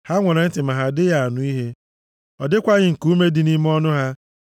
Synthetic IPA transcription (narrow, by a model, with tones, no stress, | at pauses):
ha˦ŋʷɔ˨ɾa˨n̩˦tɪ˨ma˨ɦa˨dɪ˦ja˨a˨nʊ˨˦i˦ɦe˦ | ɔ˨dɪ˦kʷa˦ɣɪ˦ŋ̩˨ku˦me˦dɪ˨˦ni˦m˦ɔ˦nʊ˦ɦa˦